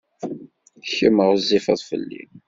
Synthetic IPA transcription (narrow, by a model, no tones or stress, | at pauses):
çəməʁzːifɑ̰ðˤfə̰lːḭn